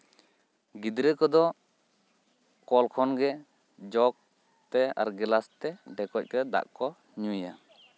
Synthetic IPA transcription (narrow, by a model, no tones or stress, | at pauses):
ɡid̪ɾəkɔd̪ɔ | kɔlkʰɔnɡɛ | d͡ʒɔk̚ | t̪ɛa̰ɾɡɛlast̪ɛɖɛkɔc̚kɛd̪a̰ʔkɔ | ɲuja